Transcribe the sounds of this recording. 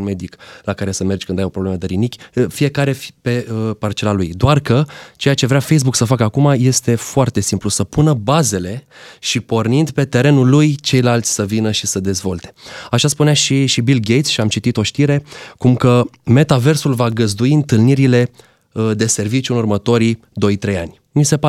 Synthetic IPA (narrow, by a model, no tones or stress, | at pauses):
nme̞d̪iklakaɾe̞səme̞rd͡ʒkɨnd̪ajo̞pɾobleməd̪eɾinikʲfije̞kaɾe̞pe̞əpart͡ʃe̞lalujd̪oarkət͡ʃe̞jat͡ʃe̞vɾeafejs̬buksəfakəakumaje̞st̪e̞foart̪e̞simplusəpunəbaze̞le̞ʃipo̞rnind̪pe̞t̪e̞ɾe̞nulːujt͡ʃe̞jlalt̪sʲsəvinəʃi̥səd̪e̞zvo̞̰lt̪e̞̥aʃaspuneaʃiʃibilɡejt̪sʃiamt͡ʃit̪it̪o̞ʃt̪iɾe̞kumkəme̞t̪ave̞rsulvaɡəzd̪uiɨnt̪ɨlniɾile̞ | əd̪e̞se̞rvit͡ʃjunurmət̪o̞ɾid̪o̞jt̪ɾe̞ja̰nʲ | mise̞pa